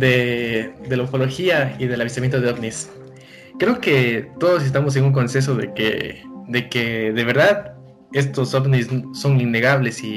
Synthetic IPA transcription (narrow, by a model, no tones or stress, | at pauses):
d̪ed̪e̞laofo̞lo̞xiaiðe̞laβist̪amjent̪oðeoβnis | kɾe̞oke̞t̪o̞ð̞os̬e̞s̬t̪amo̞s̬e̞nuŋk̬o̞nses̬o̞ðe̞̰kḛd̪e̞ke̞ðe̞β̞e̞ɾðað | e̞st̪o̞soβnisso̞ninːe̞ɣaβle̞si